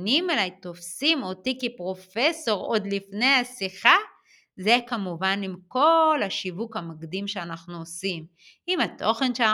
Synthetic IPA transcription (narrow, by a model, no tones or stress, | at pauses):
nimelajt̪o̞fsimo̞tikepʁo̞feso̞ʁo̞d̪lifne̞jasiχa | zekamuvanimko̞lhaʃivukamaɡd̪imʃeanaχnuosim | imat̪ʰo̞χe̞nʃe